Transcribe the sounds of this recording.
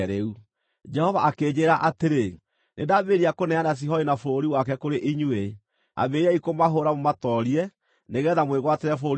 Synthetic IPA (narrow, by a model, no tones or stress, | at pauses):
ɾeu | d͡ʒɛhɔvaʔakeːd͡ʑeɾaʔateɾe | nʔedaβeɾiakonɛanas̬iɦɔinafoɾoɾiwakɛkoɾeʔiɲue | a̰βeɾɛikomaɦoɾamomatɔɾiɛ | neɣɛðamweɣwateɾɛfooɾ